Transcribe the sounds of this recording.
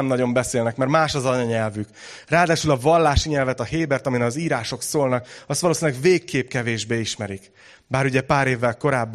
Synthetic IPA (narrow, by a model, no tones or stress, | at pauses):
ɛmnɒɟo̞mbɛseːlnɛkmɛrmaːʃɒzɒɲɒɲɛlvykraːd̪aːʃylɒvɒlːaːʃiɲɛlvɛt̪ɒheːbɛrt̪ɒminɒziːɾaːʃo̞ksoːlnɒkɒst̪ɒloːsinlɛɡveːkːeːp̚kɛveːʒbeːiʃmɛɾik | baːɾuɟɛpaːɾeːvːɛlko̞ɾaːbː